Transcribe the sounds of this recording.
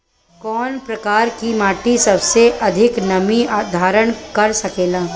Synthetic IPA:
kɔːnpɾɐkaːɾkimaːʈisɐbseʔɐd̪ʱɪknɐmiad̪ʱaːɾəɽ̃kɐɾsɐkeːlaː

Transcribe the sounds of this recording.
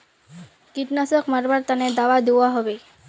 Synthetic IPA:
kiʈnasɔkmaɾbaɾt̪aned̪aʋad̪ewaɦɔbe

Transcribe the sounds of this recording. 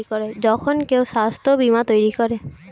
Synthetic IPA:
ikɔɹɛzɔkʰɔnkeʊsast̪ʰɔbimat̪ojɹikɔɹɛ

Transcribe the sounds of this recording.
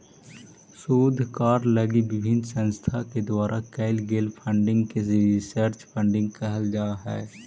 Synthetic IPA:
suːd̪ʱkaːɾlɐɡibɪbʱɪnsɐ̃nst̪ʰaked̪waːɾʔakɛɪlɡeːlpʰə̃ɳɖɪ̃ŋɡkeɾɪsəɾt͡ʃpʰə̃ɳɖɪ̃ŋɡkɛɦəld͡ʒaːɦɛ̰ː

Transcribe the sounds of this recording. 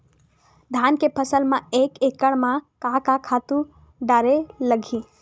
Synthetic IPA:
d̪ʱaːnkepʰəsəlmãeːkekəɽ̃mãkãkakʰaːt̪ũ | ɖaːɾeləɡʱiː

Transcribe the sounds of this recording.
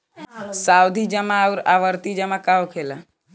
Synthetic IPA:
sawd̪ʱid͡ʒəmãəwɾaʋəɾt̪id͡ʒəmakaokʰela

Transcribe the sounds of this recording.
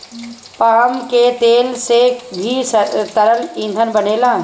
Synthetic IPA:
paːmket̪eːlsebʱist̪əɾəlĩːnd̪ʱənbəneːlãː

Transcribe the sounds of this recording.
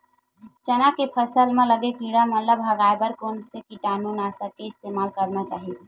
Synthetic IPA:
t͡ʃənakepʰəsəlmẽləɡekiɽamət̪ləbɦəɡaebəɾkonsekiʈanunasəkːeɪst̪emalkəɾnat͡ʃaɦi

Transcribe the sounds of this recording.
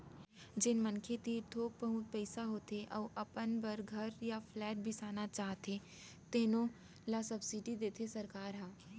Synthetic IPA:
d͡ʒɪnmɐnkʰet̪iːɾt̪ʰoːk̚pəɦʊ̃t̪̚pɛɪsaɦoːt̪eʔɔːʔɐpənbəɾɡʱɐɾjafʰlɛːʈ̚bʱisaːnat͡ʃaːɦt̪e | t̪eːnõ | lasɐbsiɖid̪eːt̪ʰesɐɾkaːɾɦãː

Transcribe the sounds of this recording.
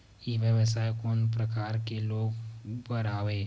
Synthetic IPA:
jiʋjəʋəsaːjkɔːnpɾəkaːɾkeloːɡbəɾaːʋeː

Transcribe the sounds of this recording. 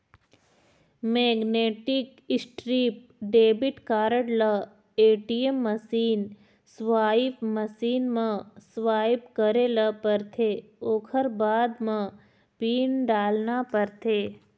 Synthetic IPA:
meːɡneːʈɪk | ɪsʈɾiːp̚ɖeːbɪʈkaːɾəɽla | eːʈiemːəsiːn | sʋaːipməsiːnmãsʋaːipkəɾelapəɾt̪ʰeoːkʰəɾbaːd̪mã | piːɳɖaːlnapəɾt̪ʰeː

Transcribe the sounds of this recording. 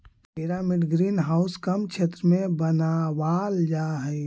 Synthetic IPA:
pɪɾamɪɖɡɾiːnɦaːʊskəmkt͡ʃʰeːt̪ɾəmẽbənawaːld͡ʒaːɦɛ

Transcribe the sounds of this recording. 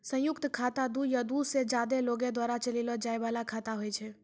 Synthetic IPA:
sə̃jʊkt̪kʰat̪ad̪ujad̪used͡ʒad̪eloɡed̪waːɾat͡ʃəlilɔd͡ʒaeʋalakʰat̪aɦojt͡ʃʰe

